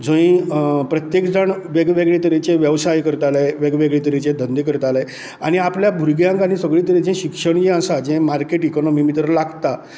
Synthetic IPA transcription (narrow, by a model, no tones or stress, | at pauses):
d͡zõĩpɾət̪jekd͡zaɳʋeɡʋeɡɭet̪əɾit͡ɕẽʋjəʋsajkəɾt̪alajʋeɡʋeɡɭet̪əɾit͡ɕẽd̪ʱənd̪ikəɾt̪ala | aɽ̃iapljabʱuɾɡjãŋkañisəɡɭĩt̪əɾid͡ʑẽɕikʂəɳd͡ʑẽəsad͡ʑẽmaɾkeʈikɔnɔmimit̪ɾəlaɡt̪a